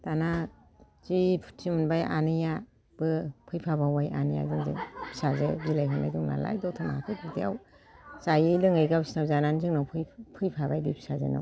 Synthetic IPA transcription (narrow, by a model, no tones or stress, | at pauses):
tana | zipʰu̥tʰimɯnbajʔa̰nɯja | b̥ɯpʰɯjpʰabawaja̰nija̰zɯŋzɯ̰ŋbʰi̥sazebilajɦɔnːa̰jduŋna̰la̰jdɔtʰɔmaakʰɯpʰɯtija̰w | sajɯjlɯŋɯjɡabi̥snawzananzɯŋnawpʰɯjpʰɯjpʰabajbibʰi̥sazḛna̰w